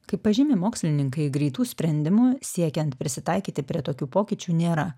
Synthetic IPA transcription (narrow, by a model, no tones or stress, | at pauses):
kɐɪpːɐʒʲɪmʲemoːksʲlʲɪnʲɪŋkɐɪɡɾʲɛɪt̪uːsʲpʲɾʲɛnʲd̪ʲɪmuːsʲiɛkʲɛnt̪pʲɾʲɪsʲɪt̪ɐɪkʲiːt̪ʲɪpʲɾʲiɛt̪oːkʲuːpoːkʲit͡ʃʲuːnʲeːɾɐ